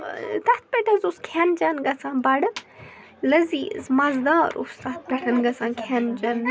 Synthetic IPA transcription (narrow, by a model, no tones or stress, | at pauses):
t̪aːt̪̚ʰpʲeʈʰɐzuskʰjaːnd͡ʒaːnɡɐsãːbaːɽɨ | lɐziːzmaːzd̪aːɾṵst̪at̪̚ʰpeʈʰɐnɡɐsãːkʰjaːnd͡ʒaːn